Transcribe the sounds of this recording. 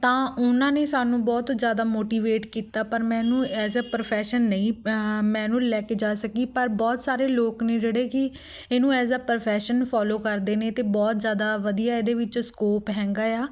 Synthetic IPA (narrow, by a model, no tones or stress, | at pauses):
t̪ãːʊnãːneːsaːnũːbɔːt̪zjaːd̪aːmoːʈiːʋeːʈkiːt̪aːpəɾmɛ̃ːnũːɛːzaːpəɾpʰɛːʃənːəĩːmɛ̃ːnũːlɛːkeːd͡ʒaːsəkiːpəɾbɔːt̪saːɾeːloːkneːd͡ʒeːɽeːkɪ | eːnũːɛːzaːpəɾpʰɛːʃənpʰɔːloːkəɾd̪eːneːt̪eːbɔːt̪zjaːd̪aːʋəd̪ijaːeːd̪eːʋɪt͡ʃːskoːpɦɛ̃ːŋɡaːjaː